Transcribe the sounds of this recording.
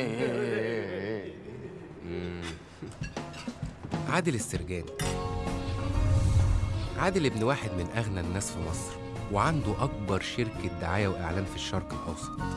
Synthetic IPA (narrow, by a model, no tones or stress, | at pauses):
ʔe | ʕaːd̪elesːeɾɡæːni | ʕaːd̪elʔebnwaːħed̪mɪnʔæɣnænːæːsfimɑsˤɾ | weʕand̪uʔɑkbɑɾˤʃeɾkd̪ːaʕaːjæwʔaʕlæːmfiʃːɑɾˤqelʔɑ̰wsˤɑ̥t̪ˤ